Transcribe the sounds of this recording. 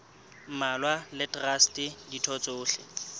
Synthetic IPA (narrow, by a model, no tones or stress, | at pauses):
malwalɪtʼrastʼɪditʰɔt͡sʼʊːɬɪ̰